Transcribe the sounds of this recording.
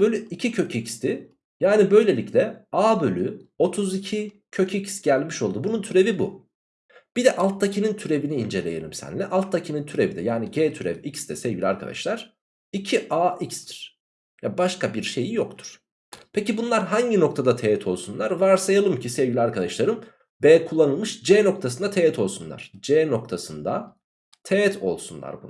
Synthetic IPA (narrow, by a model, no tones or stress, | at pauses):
b̥ølʲyicʰicʰø̞cicst̪ʰɪ | jaːnibø̞jlʲe̞lʲiclʲɛaːbø̞lʲyo̞t̪ʰuzicʰi | cʰø̞cʰicsɟælʲmiʃo̞lˠd̪ubununt̪ʰyɾe̞vibṵ | b̥id̪ɛʔalˠt̪ʰːacʰinint̪ʰyɾe̞viniːnd͡ʒe̞lʲe̞jelʲḭmsæ̰nlʲɛʔalˠt̪ʰːacʰinint̪ʰyɾe̞vid̪ɛ̰jaːniɟeːt̪ʰyɾḛvicst̪ɛsɛvɟilʲa̰ɾkʰa̰d̪a̰ʃlˠaɾ̥ | icʰiʔaːʔicst̪ʰi̥ɾ̥ | jabaʃkʰabiɾʃe̞jijokt̪ʰu̥ɾ̥ | pʰecibunlˠaɾɦaɲɟino̞kt̪ʰad̪at̪ʰeɛt̪ʰo̞lˠsunlˠaɾvaɾsajalˠɯmcʰisɛvɟilʲiaɾkʰad̪aʃlˠaɾɯm | beːkʰulˠːanɯlˠmɯʃd͡ʒeːno̞k̚t̪ʰas̬ɯnd̪at̪ʰejɛt̪ʰo̞lˠsunlˠa̰ɾ̥d͡ʒeːno̞k̚t̪ʰasɯnd̪a̰ | t̪ʰeɛt̪ʰo̞̰lˠsunlˠa̰ɾbun